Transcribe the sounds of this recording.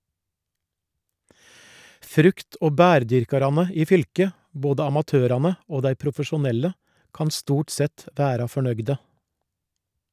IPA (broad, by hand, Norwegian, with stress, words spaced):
ˈfɾʉkt ˈoː ˈbæːɾˌdʏɾkɑɾɑnə ˈiː ˈfʏlkə ˈboːdə ɑmɑˈtøːɾɑnə ˈoː ˈdæɪ pɾʊfəʃʊˈnɛlə ˈkɑn ˈstuːʈ ˈsɛt ˈʋæːɾɑ fɔˈɳœɡdə